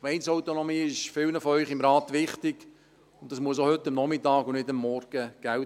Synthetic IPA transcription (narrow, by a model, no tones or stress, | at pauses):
mɛɪnsɔʊtonɔmiːɪʃfɪlnəfɔœʏχɪmɾɑːt̪ʋɪχtɪɡ̥ | ʊntːɑsmuəs̬ohʏtːəmnɔmɪtɑːɡʊnɪdəmːɔɾɡ̥əɡ̥æl